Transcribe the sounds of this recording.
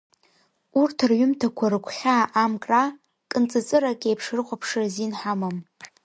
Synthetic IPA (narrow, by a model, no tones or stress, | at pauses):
urtʰɨrɥʊmtʰakʷʰaɾɨkʷʰχʲaːʔːmkʼra | kʼɨnt͡sʼɨt͡sʼɨrakʲʼejpʰʂrɨqʷapʰʂɨrzinħamam